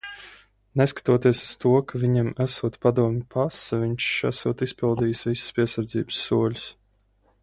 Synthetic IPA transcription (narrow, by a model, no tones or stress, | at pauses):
neskḁt̪uɔt̪iɛsu̥st̪uɔkavʲiɲamæsuɔt̪pad̪uɔmʲɪpʰasavʲiɲt͡ʃʃæsuɔt̪ispʲilˠd̪iːjsvisə̥spʲiɛsaɾd̪zḭːbɨ̥sːuɔlʲu̥s